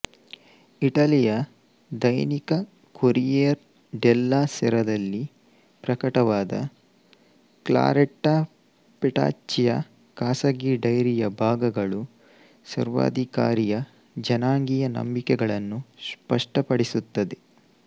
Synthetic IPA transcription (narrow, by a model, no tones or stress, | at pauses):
iʈɐlijɐ | d̪ɐjnikɐ | koɾijeɾ | ɖɛlːaːsɛɾɐd̪ɐlːi | pɾɐkɐʈɐʋaːd̪ɐ̰ | kla̰ːɾeʈːa | pɛʈa̰ːt͡ʃːijɐ | kaːsɐɡiɖɐjɾijɐbʱaːɡɐɡɐɭu | sɐ̰ɾʋa̰ːd̪ʱika̰ːɾijɐ | d͡ʒɐnaːŋɡijɐnɐ̰mbikɛɡɐɭɐnːuspɐʂʈɐpɐɽisut̪ːɐd̪e